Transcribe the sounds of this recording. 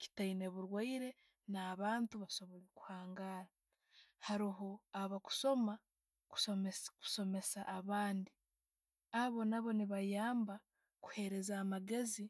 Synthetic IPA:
ci̥taine̞βuɾwaiɾe̞ | naːβaːntuβaso̞βoliku̥haːŋɡaːɾa | haɾiɦoaβaku̥so̞ma | kmku̥so̞me̞saʔːβaːndi | aβo̞naβo̞niβajaːmba | ku̥he̞ɾe̞zaːmaɡe̞zi

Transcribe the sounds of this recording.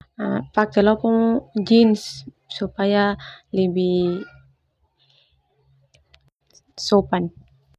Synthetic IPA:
afak̚t̪əlɔpɔŋd͡ʒins | supajaləbi | sopan

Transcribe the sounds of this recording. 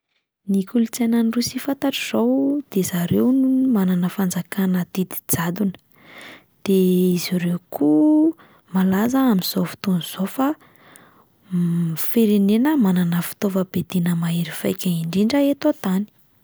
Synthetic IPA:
nikulut͡sananirusifant̪aʈ͡ʂiz̥owd̪̥ezaɾewnumananəfand͡zakanəd̪̥id̪i̥d͡zad̪unə̥ | d̪̥eiziɾewku | malazəamiz̥ofi̥t̪unuz̥ofa | feɾenenəmananəfi̥t̪ovəbed̪inəmaeɾifajkʲaiɳɖ͡ʐiɳɖ͡ʐəet̪ot̪ani̥

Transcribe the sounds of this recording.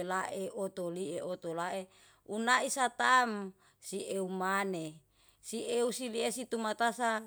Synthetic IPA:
laʔeʔot̪olieot̪olaʔe | unaisat̪am | siʔeumane | siʔeusiliesit̪umat̪asa

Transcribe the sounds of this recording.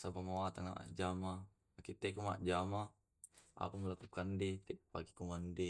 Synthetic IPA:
sabamawat̪aŋna̰ʔa̰d͡ʒama | akit̪ɛkuma̰d͡ʒama | a̰pamlakukandet̪ɛpaɡi̥kumandɛ

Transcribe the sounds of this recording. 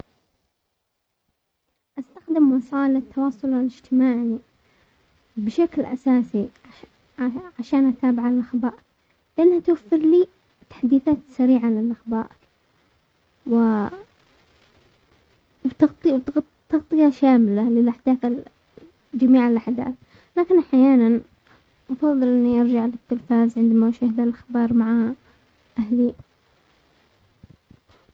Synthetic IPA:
ʔast̪axd̪ɪmwɑsˤɑːlat̪ʰːɑwɑːsˤʊlalɪd͡ʒt̪ʰɪmaːʕi | bɪʃaklʔa̰saːsi | ʕaʃaːnʔat̪aːbɪʕalʔaxbaːʔ | lɪʔanːhat̪wafːɪɾliː | t̪ḁħd̪iːθaːt̪saɾiːʕalɪlʔaxbaːʔ | wɪ | wt̪ɑɣt̪ˤwt̪ | t̪ɑɣt̪ˤɨjaʃaːmɪlalɪlʔaħd̪aːθa | d͡ʒamiːʕɪlʔaħd̪a̰ːθ | laːkɪnʔaħjaːnan | ʔɑfɑðˤːɨlʔɪnːiʔɑɾˤd͡ʒaʕlɪt̪ːɪlfaːzʕɪnd̪amawʃahd̪alʔaxbɑːɾˤmaʕa | ʔahli

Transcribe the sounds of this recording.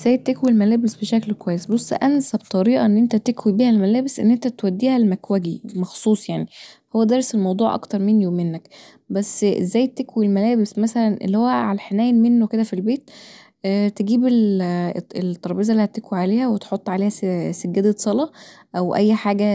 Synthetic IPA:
ʔzæjet̪ːekwilmælæːbesbeʃæklkwæjːesbosˤːʔænsæbt̪ˤɑɾiːʔɑ̰ʔenːʔent̪æt̪ekwibiːhælmælæːbesʔḛnːʔent̪æt̪wæd̪ːiːhælmækwæɡimɑxsˤuːsˤjaʕnihowːæd̪ɑɾˤselmɑwd̪ˤuːʕʔɑ̰kt̪ɑɾˤmenːijowmːenːæk | bæsːʔḛzːæːjt̪ːekwilmælæːbesmæsælænʔḛlːihowːæʕalæħenæːjnmenːoked̪æfilbeːt̪̚ː | t̪eɡiːbel | elt̪ːɑɾˤbeːzælːihæt̪ːekwiʕaleːhæwet̪ħot̪ˤːʕaleːhæsæɡːed̪æsˤɑlɑ | ʔæwʔæjːħaːɡæ

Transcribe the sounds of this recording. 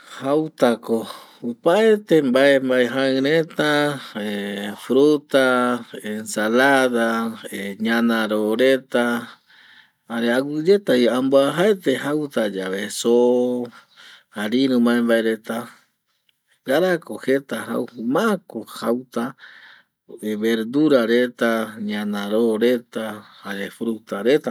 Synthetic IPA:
hawt̪akoupaet̪embaembaeɦãɨ̃ɾet̪aefɾut̪aensalaðaeɲãnãɾoɾe̞t̪a | haɾeawud͡ʒe̞t̪aiamboaɦaet̪ehawt̪ad͡ʒaβeso | haɾiɾũmãẽmbaeɾet̪a | ɡaɾakohet̪aha̰whumakohawt̪a | eβeɾd̪uɾaɾet̪aɲãnãɾoɾet̪ahaɾefɾut̪aɾet̪a

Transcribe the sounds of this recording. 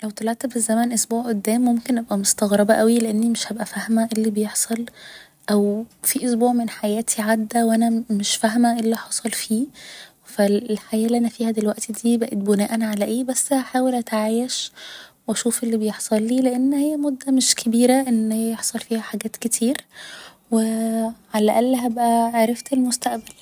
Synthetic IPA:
læwt̪ˤɑlɑʕt̪fizːæmænʔosbuːʕʔod̪ːæːmːomkenʔæbʔæmost̪ɑɣɾˤɑbæʔæwileʔenːimeʃhæbʔæfæhmæʔelːibejeħsˤɑl | ʔæwfiʔosbuːʕmenħajæːt̪ʰiʕad̪ːæwʔænæmeʃfæɦmæʔelːiħɑsˤɑlfiː | fællħajæːʔliʔænæfiːhæd̪elwæʔt̪id̪iːbæʔet̪̚bonæːʔænʕalæʔeːbæsːaħaːwelʔæt̪ʕaːjeʃwʔæʃuːfʔelːibejeħsˤɑlːiːleʔenːhejːæmod̪ːæmeʃkʰebiːɾæʔenːhejeħsˤɑlfiːhæħaɡæːt̪ket̪ʰiːɾ | weʕalæʔælːɦæbʔæʕaɾˤɑft̪elmost̪æʔbæl

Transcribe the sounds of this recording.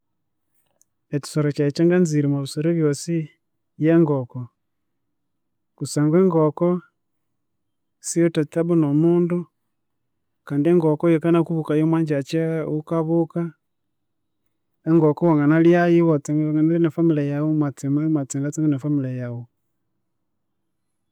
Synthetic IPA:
etu̥soɾat͡ʃat͡ʃeŋɡanziɾimaβisoɾeβjosi | jeːŋɡoko | kusaːŋɡeːŋɡoko | siotataβunomuːndu | kaːndieŋɡokojekanakuβukajomwaːɲd͡ʒat͡ʃaukaβuka | eŋɡokowaŋanaljajiwot͡seɡŋanalinafamilajawumat͡simamat͡siŋɡat͡siŋɡanafamilajawu

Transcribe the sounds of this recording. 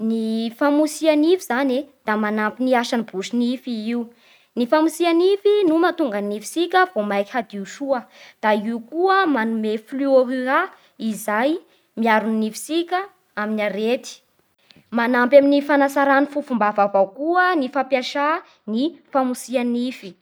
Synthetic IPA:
nifamusianivizaned̪̥amanampiniaʃanibuʃinifiiu | nifamusianifinumat̪uŋɡannifi̥sikʲəvomajki̥had̪iuʃuəd̪̥aiukuəmanumefluoɦia | izaj | miaɾuninifi̥sikʲə | aminaɾet̪i̥ | manampaminifanasaɾanifufumbavavawkuənifapjaʃa | nifamusianifi̥

